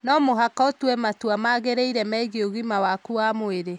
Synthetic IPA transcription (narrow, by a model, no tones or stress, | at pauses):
nɔmoɦakotwɛmatwamaɣeɾeiɾɛmɛːɣioɣimawakuamoeɾe